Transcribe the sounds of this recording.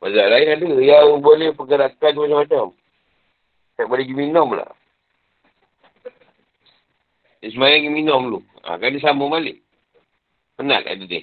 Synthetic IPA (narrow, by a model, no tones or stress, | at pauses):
wazaʔlainadəjaŋbolɛhpəkəɾakans̬əmat͡ʃamat͡ʃam | taʔbolɛɡiminɔmla̰ | dis̬əmajaŋɡiminɔmlu | a̰kanis̬aməmalɪ̰ʔ | pəna̰ka̰dəd̪ḭ